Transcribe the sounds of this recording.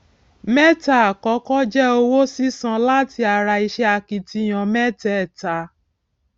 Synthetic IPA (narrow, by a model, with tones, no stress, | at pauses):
mɛ˦ta˨kɔ˨˦kɔ˦d͡ʒɛ˦o˧wo˦si˦sã˧la˦ti˧a˧ɾa˧i˧ʃɛ˧a˧ki˧ti˧˦j̃ɔ̃˧mɛ˦tɛ˦˨ta˨˧